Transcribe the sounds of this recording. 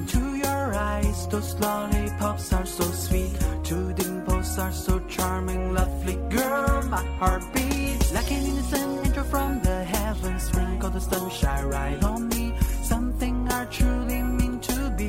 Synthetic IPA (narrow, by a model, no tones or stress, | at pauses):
tʰɨjə˞aɪɪz̥oʊsloʊlipʰʌpsə˞soʊswittʰuðɪ̃mpʰosə˞soʊt͡ʃʰɑɹmɪ̃ŋlʌvliɡɜ˞lˠmaɪhɑɹt̚b̥ilaɪkɨ̃nĩnɨsɨ̃nɛ̃ntə˞fɹʌ̃mðɨɦɛvɨ̃sɹɪ̃ŋkəðəstʌ̃mʃaɪɹaɪɾn̩misʌ̃mθɪ̃ŋə˞tʰɹ̥ulimɪ̃ntʰɨbi